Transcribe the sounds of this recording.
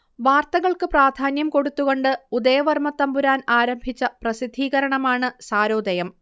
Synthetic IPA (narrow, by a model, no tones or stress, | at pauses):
ʋaːrt̪ɐɣɐɭkɨpraːd̪ʱaːnjɐmko̞ɽut̪ːuɣo̞ɳɖɨud̪ɐjɐʋɐrmɐt̪ːɐmbuɾaːnaːɾɐmbʱit͡ɕːɐprɐsid̪ʱːiːɣɐɾɐɳɐmaːɳɨsaːɾo̞ːd̪ɐjɐm